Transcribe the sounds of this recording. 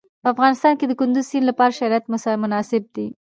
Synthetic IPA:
pəafɣɑnɪst̪ɑnked̪əkʊnd̪ʊzsinlapɑɾaʃaɾɑjat̪mʊsmʊnɑsɪb̚d̪i

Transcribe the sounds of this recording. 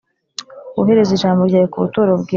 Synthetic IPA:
uɦeɾeziʒaːmboɾɟaːjekuβutuɾobɡi

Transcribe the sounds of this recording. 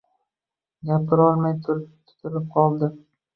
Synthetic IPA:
ɡʲapʰɪɾɒlˠmajt̪ʰʊɾt̪ʰʊ̥t̪ʰɪlɪp̚qʰɒlˠd̪ɪ

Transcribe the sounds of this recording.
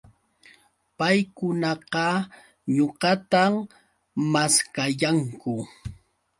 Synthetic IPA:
pajkʊnɑqɑ | ɲoɢɑt̪am | maskajaŋkʊ

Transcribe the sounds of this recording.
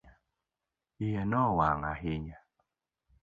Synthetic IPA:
a | ijɛnɔwaŋa̰ɦɪɲa

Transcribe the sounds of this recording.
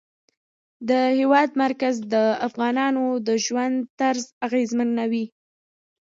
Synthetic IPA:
d̪əhewɑd̪maɾkazd̪əafɣɑnɑnod̪əʒwand̪t̪aɾzaɣezmanːawi

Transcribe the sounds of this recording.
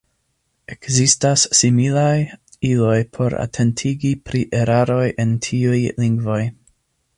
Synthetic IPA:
e̞kzistasːimilaj | ilo̞jpʰo̞ɾa̰tʰe̞ntʰiɡipɾiʔe̞ɾaɾo̞jʔe̞ntʰiujliŋɡvo̞j

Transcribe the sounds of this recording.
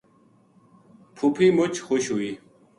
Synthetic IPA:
pʰupʰimot͡ɕxuɕɦuiː

